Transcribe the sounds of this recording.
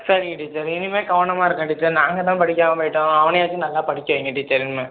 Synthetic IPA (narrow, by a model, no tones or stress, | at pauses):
sɐɾɪŋɡɪʈːit͡ʃːaːɾɪnɯmeːɡɐʋɐɳɐmaːɪɾɯkːɐʈːit͡ʃːaːɾnaːŋɡɐt̪ãːpɐɽɪk̬ʲːaːmɐpɐːʈːõːɐʋɐnɐjaːt͡ʃːɯnɐlːaːpɐɽɪkʲːɐʋɪŋɡɐʈ̬ːit͡ʃːaːɾɪnɯmeː